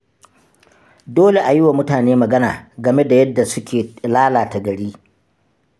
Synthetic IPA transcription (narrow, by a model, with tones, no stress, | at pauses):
doː˦le˨ʔa˨jɪ˦wa˨mʊ˦taː˨neː˦mɐ˨ɡɐ˦na̰ː˨ɡɐ˨me˦da˨jɐ˦dːa˨sʊ˦kʲeː˨laː˦laː˨ta˨ɡɐ˨ɽiː˦